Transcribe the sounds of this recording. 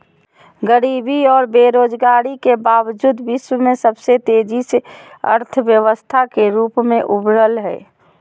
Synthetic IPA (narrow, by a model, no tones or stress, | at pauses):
ɡəɾibiɔːɾbeɾoːd͡ʒɡaɾikebabd͡ʒuːd̪biswmẽsəbset̪ed͡ʒʱiseə̰ɾt̪ʰəʋjəʋəst̪ʰakeɾuːpmẽʔubʱɾəlɦɛɪ